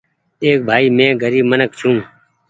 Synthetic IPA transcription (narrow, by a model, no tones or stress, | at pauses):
eːk̚bʱaːiːmẽːɡəɾiːbmənək̚t͡ʃʰũː